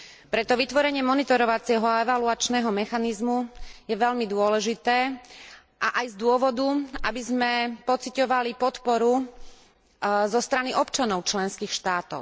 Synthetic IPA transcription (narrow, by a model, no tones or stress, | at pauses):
pɾɛt̪ɔʋit̪ʋɔɾɛɲɪɛmɔnit̪ɔɾɔʋat͡sɪɛɦɔaɛʋaluat͡ʃnɛːɦɔmɛxanizmujɛʋɛʎmid̪ʊɔlɛʒit̪ɛː | ʔaʔajzd̪ʊɔʋɔd̪uabizmɛpɔt͡sicɔʋalipɔt̪pɔɾu | zɔst̪ɾaniʔɔpt͡ʃanɔʊt͡ʃlɛnskiːxʃt̪aːt̪ɔ̰ʊ